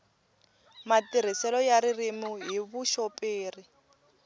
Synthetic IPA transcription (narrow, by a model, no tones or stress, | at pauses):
matiɾ̤isɛlɔjaɾirimuɦiβuʃɔpʼeːri